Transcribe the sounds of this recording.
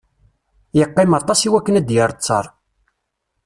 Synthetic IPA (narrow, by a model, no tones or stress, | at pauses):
jəqːɪmɑt̪ˤɑsiwækːənæd̪jəɾˤt͡sːɑ̰ɾˤ